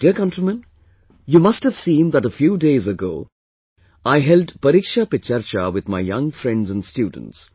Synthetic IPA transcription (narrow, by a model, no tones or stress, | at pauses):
d̥iəɾkʌ̃ntɾimə̃n | jumʌsthəv̥sĩːnðəʈəfjuːdeɪzəɡo̰ː | aɪɦɛldpəɾɪkʃapɪt͡ʃaɾt͡ʃawɪd̪ma̰ɪjʌ̃ŋfɾɛ̃ndzə̃nstjuːd̰̃ⁿn̩ts